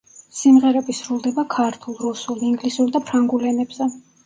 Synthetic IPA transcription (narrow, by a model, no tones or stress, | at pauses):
simʁɛɾɛbisɾulˠd̪ɛbakʰaɾt̪ʰulˠɾusulˠiŋɡlisuɾd̪apʰɾaŋɡulɛnɛbz̥ɛ